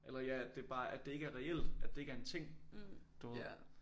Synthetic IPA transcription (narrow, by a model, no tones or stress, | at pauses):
ʔelɐjæædd̥e̝b̥ɑ̈ːʔæd̥e̝e̝ɡ̥əæɐʁɛel̰d̥æd̥e̝e̝ɡɐent͡sʰe̝ŋ̰d̥o